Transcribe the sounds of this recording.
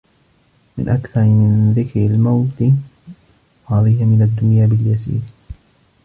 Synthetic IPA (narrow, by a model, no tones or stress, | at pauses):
mɪ̰nʔakθɑɾˤmɪnðɪkɾalmawt̪ | hɑːðiːhamɪnad̪ːʊnjaːbɪljasḭːɾ